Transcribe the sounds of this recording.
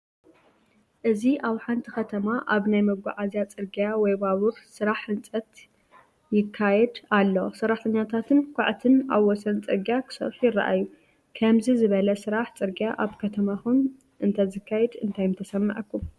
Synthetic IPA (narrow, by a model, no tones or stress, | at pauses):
ʔɨziʔaβħant̪ʰixɐt̪ʰɐmaʔaβnajmɐɡʷa̰ʕazjat͡sʼɨɾɡjawɔjbaβuħsɨɾaħːɨnt͡sʼɐt̪ | jɪkʰːajɛd̪alːosɐrːaħt̪ʰɐɲːat̪ʰat̪ʰɨnkʷʰaʕt̪ʰɨna̰βːɔsɐnt͡sʼɨɾɡijakʰɨ̥sɐ̰ħjɪrːa̰ʔa̰jːu | kʰɐmzizɨβɐlɐsɨɾaħt͡sʼɨɾɡijaʔaβkʰɐt̪ʰɐmaxun | ʔɨnt̪ʰɐzɨkʰːajɛd̪ɨnt̪ʰajmt̪ʰɐsɐmːɐ̰ʕɐkːum